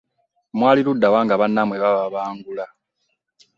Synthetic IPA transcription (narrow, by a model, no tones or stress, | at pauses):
mwaːliludːawaːŋɡaβanːamweβaβaβaːŋɡula